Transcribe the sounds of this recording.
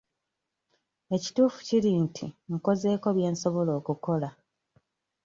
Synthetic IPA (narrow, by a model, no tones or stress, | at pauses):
e̞ci̥tuːfu̥cilintʰiŋ̩ko̞ze̞ːko̞βje̞ːnso̞βo̞lo̞ːkuko̞la